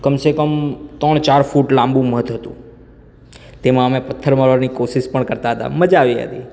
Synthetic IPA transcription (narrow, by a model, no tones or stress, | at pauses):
kəmsekəmt̪əɳt͡ʃaɾfuʈlãmbũməd̪ʱɦət̪ṵ̃ | t̪emãəmẽpət̪ʰːəɾməɾəɾnikosiʃpəɳkəɾt̪aɦət̪a̰məd͡ʒaʋiɦə̰t̪ḭ